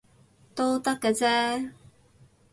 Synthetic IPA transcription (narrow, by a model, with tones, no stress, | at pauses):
t̪o˥wt̪ɐ˥kːɛː˧t͡sɛː˥